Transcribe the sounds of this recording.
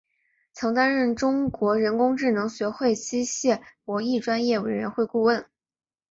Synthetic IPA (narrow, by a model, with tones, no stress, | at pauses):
t͡sʰɤ˧˥ŋt̪a˥nɻə˥˩nʈ͡ʂʊ˥ŋkwɔ˧˥ɻə˧˥nkʊ˥ŋʈ͡ʂɻ̩˥˩nɤ˧˥ŋɕɥɛ˧˥xwe˥˩ɪt͡ɕi˥ɕjɛ˥˩pwɔ˧˥i˥˩ʈ͡ʂwa˥njɛ˥˩we˨˩ɪɻə̰˧˥nxwe˥˧ɪku˥˧wə˥˩n